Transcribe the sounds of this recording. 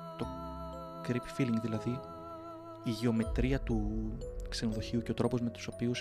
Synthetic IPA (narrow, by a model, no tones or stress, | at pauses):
t̪o̞ | kɾip̪filiŋɡðilɐði | iʝeo̞me̞t̪ɾiɐt̪ukse̞no̞ðo̞çiuce̞o̞t̪ɾo̞po̞zme̞t̪u̥sopius